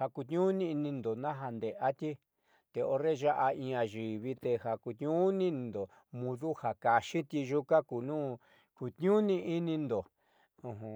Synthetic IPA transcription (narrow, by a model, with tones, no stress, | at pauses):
ha˧ku˧t̪ɲũ˦nĩ˧i˧nĩ˧nd̪o˨nã˦ɦa˧nd̪e˨ʔa˦t̪ʲi˦ | t̪e˧o˧ɾe˦˧ʒa˦ʔa˧ĩ˧˦˧a˧ʒi˨βi˧t̪e˧ha˧˨ku˧t̪ɲũ˦nĩ˦n˧˨nd̪o˨ | mũ˧ðu˦ha˨ka˧ʃi˦t̪i˧ʒu˦ka˦ku˨nũː˦ | ku˧t̪ɲũ˦nĩ˧ʔi˦nĩ˧nd̪õ˨˧ | ɦũ˨